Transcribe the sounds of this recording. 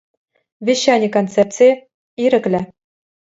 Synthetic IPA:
vʲiɕːɑnʲikont̪t͡sert͡si | iɾɘ̆klʲɘ̆

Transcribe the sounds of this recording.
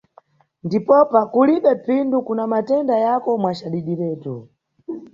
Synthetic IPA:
ndipɔpakuliɓɛpʰindukunamatɛndajakɔmwat͡ʃaɗiɗiɾɛːtu

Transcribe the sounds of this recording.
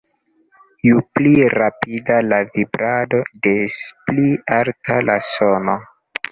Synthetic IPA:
jupliɾapidalavibɾado̞de̞splialtalasono

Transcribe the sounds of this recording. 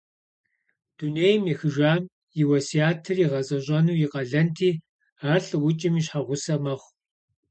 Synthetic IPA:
d̥uneːjmjixɨʒʷaːm | jɪwɐsiaːtʰɨriʁɐzʼɐɕʼɐnuːjɪqɐɮɐntʰiː | aːɬɨwʊt͡ʃʼɪmiːɕħaʁʷʊsɐmɐχʷ

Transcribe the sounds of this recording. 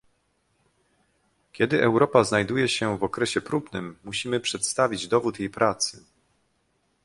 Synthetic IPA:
kʲɛd̪ɘʔɛwɾɔpaznajd̪ujɛɕɛvɔkɾɛɕɛpɾubnɘmːuɕimɘpʂɛt̪st̪avʲid͡ʑd̪ɔvut̪jejpɾʔat̪sɘ

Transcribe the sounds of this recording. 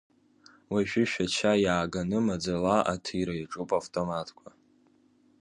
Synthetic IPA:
waʃᶣʊʃᶣat͡ʃʰajaːɡanɨmad͡zalaʔa̰tʰɨɾaiʈ͡ʂʼupʼaftʼomatʰkʷʰa

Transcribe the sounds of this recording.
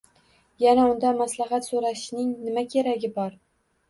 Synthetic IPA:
janaʊnd̪amaslaɦat̪soɾaʃnɪŋnɪmakʲʰeɾaɡʲɪbɒɾ

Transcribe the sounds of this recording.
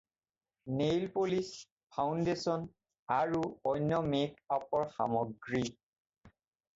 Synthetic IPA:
nejlpolis | pʰawndesɔn | aɹuɔjnjɔmekapɔɹxa̰mɔɡɹi

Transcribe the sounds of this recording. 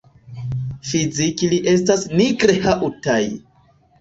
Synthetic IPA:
fizikiliʔe̞stasniɡɾehaʔutaj

